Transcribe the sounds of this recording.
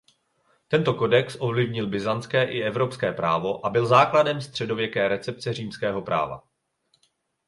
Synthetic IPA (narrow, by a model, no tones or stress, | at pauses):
t̪ɛnt̪o̞ko̞dɛksʔo̞vlɪvɲɪlbɪzant͡skɛːʔɪʔɛvɾo̞pskɛːpɾaːvo̞ʔabɪlzaːkladɛmst̪r̝̥ɛdo̞vjɛkɛːɾɛt͡sɛp̚t͡sɛriːmskɛːɦo̞pɾʔa̰ːva̰